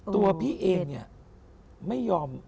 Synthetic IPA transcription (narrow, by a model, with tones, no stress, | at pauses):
t̪u˧ɐpʰiː˥˩ʔeː˧ŋni˥˩ɐ | ma˥˩jːɔː˧m